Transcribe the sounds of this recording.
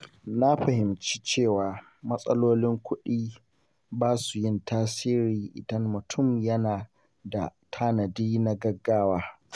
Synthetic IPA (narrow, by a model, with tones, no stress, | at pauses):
na˦ɸɐ˨hɪ˨mt͡ʃi̥ː˦t͡ʃeː˦˨waː˨ | mɐ˦sʼɐ˦loː˦lɪ˦ŋkʷʊ˦ɗiː˦ | baː˦su˨jɪ˦˨ntʰaː˦siː˦ɾiː˨ʔɪ̰˨dɐ˦mːʊ˨tʰʊ˦˨mjɐ˦naː˨ | da̰˨tʰa˦nɐ˨diː˦na˦ɡɐ˦ɡːaː˦waː˦